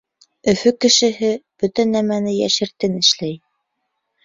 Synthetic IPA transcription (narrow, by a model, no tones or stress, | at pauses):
ɵ̆fɵkɘ̆ʃɘ̆ɦɘb̥ɵt̪ænæmænɘjæ̰ʃɘ̆ɾt̪ɘnɘ̆ʃlæj